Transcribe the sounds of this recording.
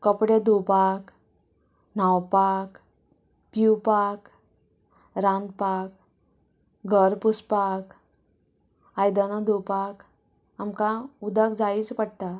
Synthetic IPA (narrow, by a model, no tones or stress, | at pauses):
kəpɽed̪upak | nawpak | pupak | ɾand̪pak | ɡʱəɾpuspak | ajd̪anad̪upak | amkãud̪əkd͡zait͡spəɽt̪a